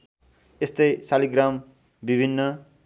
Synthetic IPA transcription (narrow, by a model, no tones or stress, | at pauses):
est̪ʌjsaliɡram | bibʱinːʌ